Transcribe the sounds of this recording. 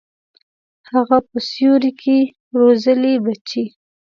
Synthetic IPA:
haɣapəsjoɾikʰe | ɾozəlebat͡ʃi

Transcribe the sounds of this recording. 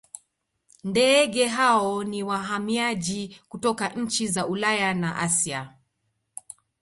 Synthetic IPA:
ndɛɠɛɦaɔniwaɦamiaʄikutɔkaʔɲ̩t͡ʃizaulajanaʔasia

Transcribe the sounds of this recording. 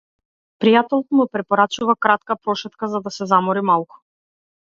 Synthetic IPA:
pɾijat̪ɛlˠt̪mupɾɛpɔɾat͡ʃuvakɾat̪kapɾɔʃɛt̪kazad̪asɛzamɔɾimalˠku̥

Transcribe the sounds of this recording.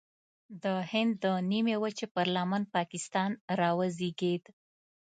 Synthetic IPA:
d̪əhɪnd̪ːənimewat͡ʃepɑɾlamanpɑkɪst̪ɑnɾɑwəziɡed̪

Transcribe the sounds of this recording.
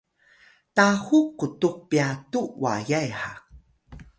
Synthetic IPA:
tahukːutuk̚piatuwa̰jajħak̚

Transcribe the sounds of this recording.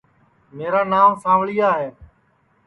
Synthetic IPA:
meːɾaːnaːmsãːʋɭijaːɦeː

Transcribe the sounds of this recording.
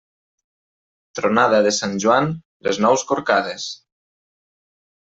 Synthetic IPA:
t̪ɾonað̞aðesanʲʒuan | leznɔwskoɾkað̞es

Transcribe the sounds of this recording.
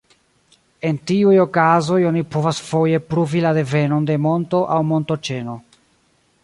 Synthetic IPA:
e̞ntiujo̞kazo̞jo̞nipo̞vasfo̞je̞pɾuvilade̞ve̞no̞nde̞mo̞nto̞ʔawmo̞nto̞t͡ʃe̞no̞

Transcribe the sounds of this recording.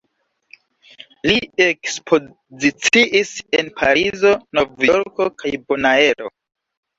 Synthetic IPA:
liekspʰo | zit͡siʔisenpʰaɾizo̞novjoɾkokajbonaelo̞̰

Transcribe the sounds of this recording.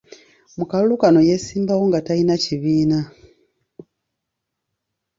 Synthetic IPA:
mukalulukano̞je̞siːmbawo̞ŋɡatainaciβiːna

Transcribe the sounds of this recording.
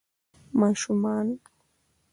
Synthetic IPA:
maʃʊman

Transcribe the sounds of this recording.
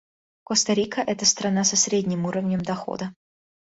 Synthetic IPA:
kost̪ɐɾʲikəʔɛt̪əst̪ɾɐnasɐsɾʲedʲnʲɪmuɾəvnʲəmd̪ɐxo̰d̪ə

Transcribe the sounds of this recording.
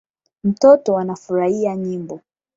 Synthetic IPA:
m̩tɔtɔwanafuɾahiaɲimbɔ

